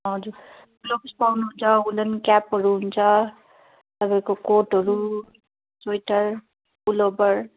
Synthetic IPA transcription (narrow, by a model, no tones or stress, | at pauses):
ɦʌd͡zuɾ | blopispawnuɦunt͡sʰʌulʌnkapɦʌɾuɦunt͡sʰʌ | t̪ʌpaĩkokoʈɦʌɾu | sojʈʌɾ | bulobʌɾ